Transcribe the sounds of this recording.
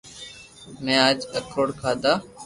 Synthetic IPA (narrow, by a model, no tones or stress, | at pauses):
mɛ̃ːaːd͡ʒəkɾoːɽkʰaːd̪aː